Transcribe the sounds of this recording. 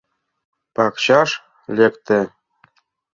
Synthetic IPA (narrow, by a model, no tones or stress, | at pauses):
pɑkɕɑʃ | lekt̪ɘ̆